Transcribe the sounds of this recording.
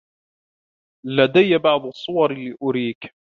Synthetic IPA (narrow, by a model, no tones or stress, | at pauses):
lad̪ajabɑʕd̪ˤsˤːʊwɑɾlɪʔʊɾiːk